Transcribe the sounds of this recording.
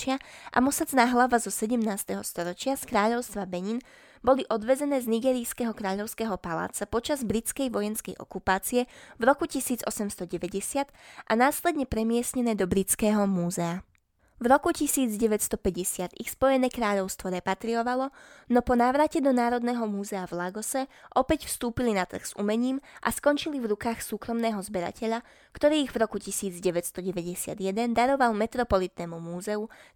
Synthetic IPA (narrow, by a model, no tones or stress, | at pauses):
t͡ʃɪaʔa̰mɔsat͡snaːɦlaʋazɔsɛɟɛmnaːst̪ɛɦɔst̪ɔɾɔt͡ʃɪaskɾaːʎɔʊst̪ʋabɛɲin | bɔliʔɔd̪ʋɛd͡zɛnɛːzniɡɛːɾijskɛɦɔkɾaːʎɔʊskɛːɦɔpala̰ːt͡sapɔt͡ʃazbɾit͡skɛjʋɔjɛnskɛjʔɔ̰kupaːt͡siɛvɾɔkucisiːd͡zɔsɛmst̪ɔɟɛʋɛɟɛsɪat̪ʔanaːslɛd̪ɲɛpɾɛmɪɛsɲɛnɛːd̪ɔbɾit͡skɛːɦɔmuːzɛa | vɾɔkucisiːd͡zɟɛʋɛcst̪ɔpɛɟɛsɪat̪ixspɔjɛnɛːkɾaːʎɔʊst̪ʋɔɾɛpat̪ɾiɔʋalɔnɔpɔnaːʋɾacɛd̪ɔnaːɾɔd̪nɛːɦɔmuːzɛavlaɡɔsɛʔɔpɛcfst̪uːpilinat̪r̩ɣz̥ṵmɛɲiːmʔa̰skɔnt͡ʃilivɾukaːxsuːkɾɔmnɛːɦɔzbɛɾa̰cɛʎa | kt̪ɔɾiːiɣvɾɔkucisiːd͡zɟɛʋɛtst̪ɔɟɛʋɛɟɛsɪa̰d̪jɛd̪ɛnd̪aɾɔʋalmɛt̪ɾɔpɔlit̪nɛːmumuːzɛu